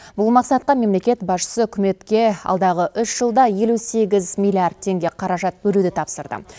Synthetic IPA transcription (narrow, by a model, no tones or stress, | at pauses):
bʊlˠmɑqsɑt̪̚qɑme̞mle̞kʲe̞t̪bɑsʃə̥səʏkʲɪme̞t̪kʲe̞ɑ̰lˠd̪ɑʁəʔʏʃʒ̥əlˠd̪ɑje̞luse̞ɡʲɪzmilʲiard̪̚t̪ʰːe̞ŋɡʲe̞qʰɑɾɑʒɑt̪̚bɵlud̪ɪt̪ʰɑpsəɾd̪ə̰